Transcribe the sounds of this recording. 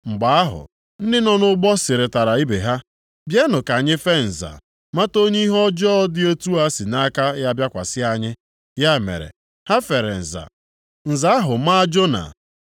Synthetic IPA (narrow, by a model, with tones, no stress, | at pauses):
ŋ͡m̩˨ɡ͡ba˨a˦ɦʊ̰˨ | n̩˦dɪ˦nɔ˨nʊ˦ɡ͡bɔ˦sɪ˨ɾɪ˨ta˨ɾa˨i˦be˨ɦa˦ | bje˦nʊ˨ka˨ɲɪ˦fe˦n̩˨za̰˨ | ma˦to˦ɲe˦i˦ɦɔ˦d͡ʒɔ˦dɪ˦e˦tu˦a˦si˨na˦ka˦ja˦bja˦kʷa̰˨sɪ˦a˦ɲɪ˦ | ja˦˨mḛ˨ɾḛ˨ | ha˦fe˨ɾḛ˨n̩˨za̰˨ | n̩˨za˨a˦ɦʊ˨ma˦d͡ʒo˦na̰˨